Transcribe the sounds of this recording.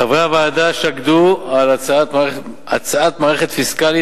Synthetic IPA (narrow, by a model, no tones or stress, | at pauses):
avʁaavaːd̪aʃaɡdualat͡saat̪mae | at͡saat̪maːʁeχet̪fiskali